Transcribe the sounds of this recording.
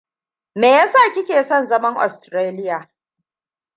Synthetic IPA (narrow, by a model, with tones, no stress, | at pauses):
meː˨jaː˦saː˦˨kʲɪ˦kʲeː˨sɔ˦˨nzɐ˦mɐ˦ŋʔɔ̰˨stɾeː˦lɪ˦jaː˨